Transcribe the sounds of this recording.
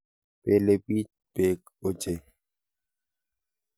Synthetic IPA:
pɛːlepiːt͡ʃ | peːk | ot͡ʃe

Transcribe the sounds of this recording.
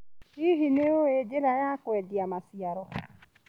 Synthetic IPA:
iɦineoed͡ʒeɾajakwɛdiamasiaɾɔ

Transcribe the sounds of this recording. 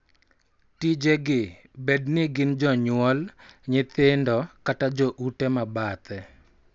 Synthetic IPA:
tid͡ʒeɡɪ | bednɪɡɪnd͡ʒɔɲʊwɔlɲɪt̪ɪndɔkatad͡ʒoʔutɛmabat̪ɛ

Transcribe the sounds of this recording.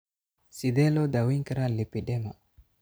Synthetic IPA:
sid̪ɛlod̪awiŋkɾalipidɛmo

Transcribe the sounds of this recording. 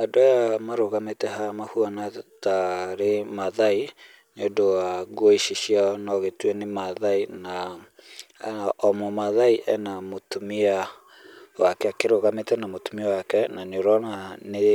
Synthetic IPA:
adoajamaɾoɣametɛɦamahuanataɾemaðai | nodowaɣoiʃiʃianɔɣetwɛnemaðaina | ʔɔmɔmaðaiʔɛnamotomia | wakɛakeɾoɣametɛnamotumiawakɛnanoɾɔnane

